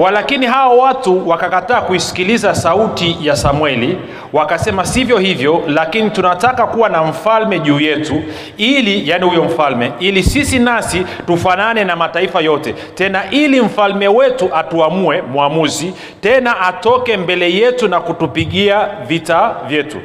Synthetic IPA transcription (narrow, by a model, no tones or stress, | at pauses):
walakiniɦaɔwatuwakakataːkuisi̥kilizasautijasamwɛli | wakasɛmasivjɔhivjɔlakinitunatakakuwanam̩falmɛʄuːjɛtu | ilijanihujɔm̩falmɛilisisinasi | tufananɛnamataifajɔtɛ | tɛnaʔilim̩falmɛwɛtuʔatuamuɛmuamuzi | tɛnaʔatɔkɛmbɛlɛjɛtunakutupiɠiavitavjɛtṵ